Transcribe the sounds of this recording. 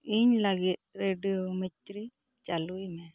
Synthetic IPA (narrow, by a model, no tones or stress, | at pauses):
iɲlaɡit̪̚ɾeɖiomɛtɾi | t͡ʃalujmɛ